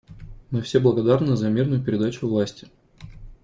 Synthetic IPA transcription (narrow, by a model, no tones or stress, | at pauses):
mɨfsʲeblˠəɡɐd̪arnɨzɐmʲirnʊjʊpʲɪɾʲɪd̪at͡ɕʊvlˠasʲtʲɪ̥